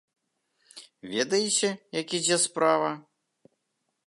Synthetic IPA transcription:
vʲed̪ɐjet͡sʲɛjakʲid͡zʲɛspɾavɐ

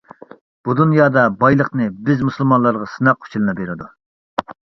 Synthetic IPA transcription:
b̥ud̪unjɑːd̪ɑbɑjlˠəqnɨbɪzmusɨlˠmɑnlˠɑɾʁɑsɨnɑqːʰʊ̥t͡ʃʰilˠɨnɨbeɾɪd̪u

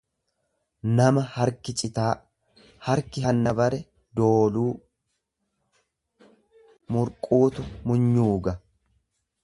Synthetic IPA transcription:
nɐmɐhɐɾkɪt͡ʃʼɪt̪aː | hɐɾkɪɦɐnːɐbɐɾɛ | d̪oːluː | mʊɾkʼuːt̪ʊmʊɲːuːɡɐ

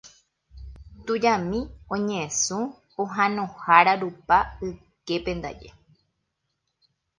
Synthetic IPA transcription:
t̪ud͡ʒãmĩõɲẽẽsũ | oɦãnõhaɾaɾupaɨ | ke̞pẽ̞nd̪a̰d͡ʒḛ

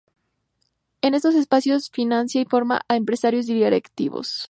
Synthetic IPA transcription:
e̞ne̞st̪o̞s̬e̞spasjo̞sfinãnsjaifo̞ɾma̰ʔaempɾesaɾjo̞z̬d̪iðaɾḛkt̪iβo̰s

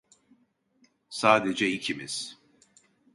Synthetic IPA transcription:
saːd̪ed͡ʒɛicʰimiz̥

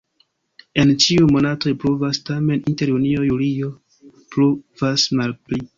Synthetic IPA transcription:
e̞nt͡ʃiumo̞nato̞pɾuvastame̞ninte̞ɾunio̞julio̞ | pɾuvasmalpli

